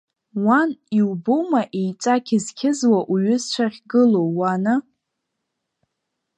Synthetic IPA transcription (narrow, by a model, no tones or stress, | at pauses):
waniwbomaʔejt͡sʷʼakʲʰɪzkʲʰɪzwaʔuɥʏzt͡ʃʷʰaχʲɡɨlowːana